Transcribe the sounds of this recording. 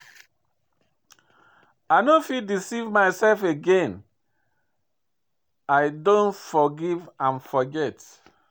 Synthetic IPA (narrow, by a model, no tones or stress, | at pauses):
aɪnofit̚disivmaɪsɛlfeɡẽn | aɪdõnfɔɡivãnfɔɡɛt